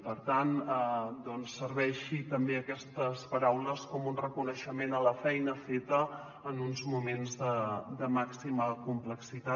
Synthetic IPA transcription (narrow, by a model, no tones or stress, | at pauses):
pəɾt̪anəd̪ɔnsːəɾβɛʃit̪əmbeəkɛst̪əspəɾawləskɔmunrəkunəʃəmenələfɛjnəfet̪əː | nunzmumenzðəd̪əmaksiməkumpləksit̪a